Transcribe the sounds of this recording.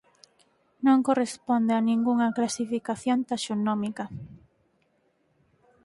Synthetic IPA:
nõŋkorespond̪eanĩŋɡuŋɐklasifikaθjont̪aʃonomikɐ

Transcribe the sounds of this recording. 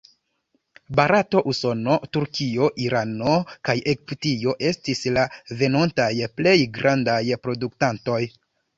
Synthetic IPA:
baɾato̞ʔuso̞no̞tuɾkio̞ʔiɾano̞kajʔekptio̞ʔe̞stislave̞nontajple̞jɡɾandajpɾo̞duktanto̞j

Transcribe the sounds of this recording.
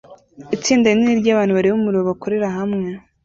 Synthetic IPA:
it͡siːndaininiɾɟaːβaːn̥uβaɾiβomuɾiβoβako̞ɾe̞ɾaɦamŋe̞

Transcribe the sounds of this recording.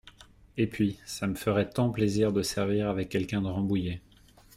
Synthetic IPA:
epɥisaməfəʁɛt̪ɑ̃pleziʁd̪əsɛʁviʁavɛkʲːɛlkʲɛ̃d̪əʁɑ̃buje

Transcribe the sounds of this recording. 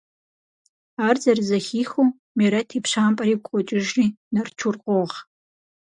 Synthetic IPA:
aːrzɐrzɐxiːxuː | miɾɐtʰiːpɕaːmpʼɐɾiːɡʷqʷʼɔt͡ʃʼɪʒriːnɐrt͡ʃʰʊrqʷɔʁ

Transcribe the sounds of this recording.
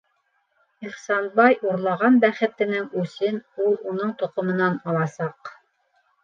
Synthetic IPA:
iχsɑnbɑjʔuɾlˠɑʁɑnbæχɘ̆t̪ɘ̆nɘŋʉsɘnulˠunɤɴt̪ŏqŏmɤ̆nɑnɑlˠɑsɑq

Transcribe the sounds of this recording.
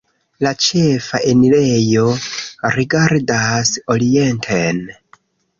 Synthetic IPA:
lat͡ʃe̞faʔenile̞jo̞ɾiɡaɾdaso̞ɾie̞ntʰen

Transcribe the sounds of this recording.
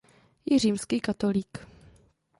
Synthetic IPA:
jɛriːmskiːkat̪oliːk

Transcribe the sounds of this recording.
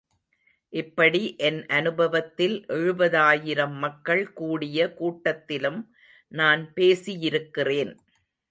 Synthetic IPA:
ʔɪpːɐɽiʔɛnʔɐnɯbɐʋɐt̪ːɪlʔɛɻɯbɐðaːjɪɾɐmːɐkːɐɭkuːɽɪjɐkuːʈːɐt̪ːɪlɯm | naːnpeːsɪjɪɾɯkːɪreːn

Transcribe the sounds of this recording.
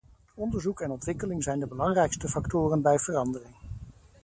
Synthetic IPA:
ɔndəɹzukɛnɔntʋɪkəlɪŋzɛjndəbəlɑŋrɛjkstəfɑktʊːrənbɛjvərɑndərɪŋ

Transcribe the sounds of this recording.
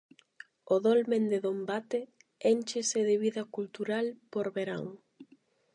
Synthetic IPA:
oðolmẽnd̪eðombat̪e | enʲt͡ʃeseðeβiðɐkult̪uɾalpoɾβeɾa̰ŋ

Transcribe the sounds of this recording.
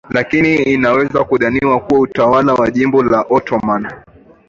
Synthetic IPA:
lakiniːnawɛzakuɗaniwakuwautawalawaʄimbɔlaʔɔtɔman

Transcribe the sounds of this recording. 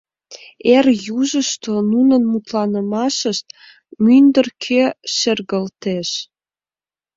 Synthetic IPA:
erjuʒəʃt̪onunənmut̪lɑnə̆mɑʃəʃt̪̚ | mynd̪ə̆rkʰeʃerɣəlt̪eʃ

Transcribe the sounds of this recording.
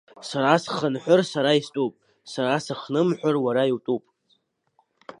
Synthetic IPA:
saɾasχənħʷʊrsaɾaistʼupʼ | saɾasaχnɨmħʷᶣarwaɾaiwtʼupʼ

